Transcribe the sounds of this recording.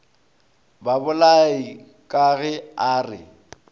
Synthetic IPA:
babʊlai | kʼaɣɛaːrɪ̰

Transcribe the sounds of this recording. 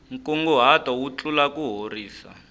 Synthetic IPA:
ŋ̩kuŋɡuɦatɔwut͡ɬulakuɦoriːsa̰

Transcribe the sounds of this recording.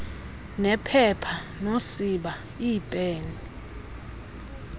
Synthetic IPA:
nɛpʰɛpʰa | nosiɓa | iːpʼeːni

